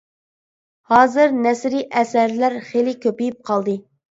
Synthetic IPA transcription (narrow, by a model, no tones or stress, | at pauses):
hɑːzɨɾnɛsɾiʔɛsæɾlæɾχelɪkʲʰøpijip̚qʰɑlˠd̪ɨ